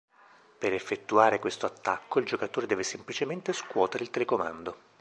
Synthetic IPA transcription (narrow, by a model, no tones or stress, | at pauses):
peɾefːet̪ːuaːɾekwest̪oat̪ːakːoild͡ʒokat̪oːɾed̪ɛːvesemplit͡ʃement̪eskwɔːt̪eɾeilt̪elekomand̪o